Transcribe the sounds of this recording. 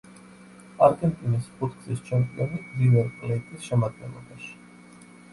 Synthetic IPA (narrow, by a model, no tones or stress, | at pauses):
aɾkʼɛnt̪ʼinispʰʼut̪ʰkʰʼzist͡ʃʰɛmt̪ʼɛnizivɛɾkʼlɛt̪ʼisʃɛmad̪̚ɡɛ̰nlˠɔ̰baʃi̥